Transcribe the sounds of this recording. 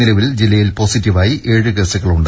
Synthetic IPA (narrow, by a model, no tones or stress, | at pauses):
ilɐʋild͡ʑilːɐjilpo̞ːsitːiʋaːjiʔe̞ːɻɨkeːsɐɣɐɭuɳɖɨ